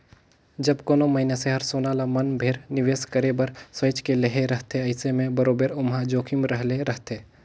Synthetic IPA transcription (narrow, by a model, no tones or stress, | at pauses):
d͡ʒɐbkoːnomɐɪnaseɦəɾsoːnalamɐnbʱeːɾnɪʋeːskəɾebɐɾsweːt͡ʃkeleɦeɾɐɦt̪eɐɪsemẽbɐɾoːbeɾʊmɦad͡ʒoːkʰimɾəɦleɾɐɦt̪eː